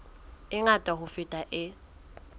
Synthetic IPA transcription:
ɪŋatʼaɦʊfɪtʼaʔɪ

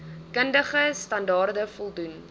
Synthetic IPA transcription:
kəndəχəstɐndɑːrdəfɔlˠdun

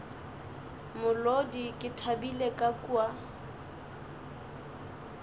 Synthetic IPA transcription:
mʊlodikʼɪtʰabilekʼakʼua

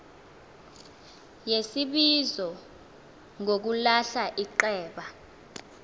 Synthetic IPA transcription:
jesiɓizɔ | ŋok̬ulaɬaʔiǃɛːɓa

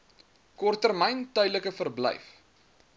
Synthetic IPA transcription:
kɔrtərmɛjntœɥdləkəfərblɛ̰jf

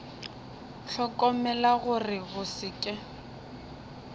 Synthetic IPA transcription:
ɬʰɔkʼɔmɛlaɣʊrɪɣʊsɪkʼɪ

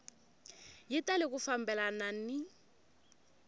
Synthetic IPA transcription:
jɪtʼalɪkʊfam̩bɛlanan̩nɪ

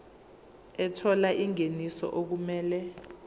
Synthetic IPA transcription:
ɛtʰɔlaʔiŋenisɔ̰ʔok̬umɛːlɛ

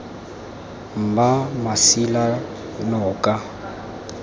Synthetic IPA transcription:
m̩bamasila | nɔːkʼa

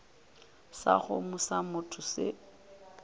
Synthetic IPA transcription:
sa̰χʊmʊsamʊtʰʊsɪ̰

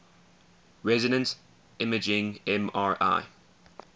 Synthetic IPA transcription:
ɹɛzɪnə̃ns | ɪməd͡ʒɪ̃ŋɛ̃maːɹa̰ɪ

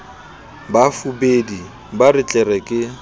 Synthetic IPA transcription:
bafubedi | barɪt͡ɬʼɛɾɛkʼɪ

